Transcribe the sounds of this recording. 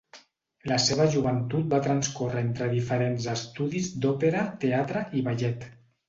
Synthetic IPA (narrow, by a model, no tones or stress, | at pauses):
ləseβ̞əʒuβ̞ənt̪ut̪̚bat̪ɾanskorəent̪ɾəðifəɾenzəst̪uðizd̪ɔpeɾat̪eat̪ɾəʔiβaʎɛt̪